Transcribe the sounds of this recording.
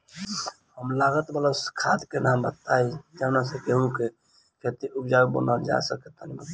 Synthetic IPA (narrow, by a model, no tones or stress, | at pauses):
həmlaɡət̪bələskʰad̪kenambət̪aid͡ʒənas̬əkeɦũke | kʰet̪iʔupd͡ʒaɡbə̰nəld͡ʒa̰səket̪anibət̪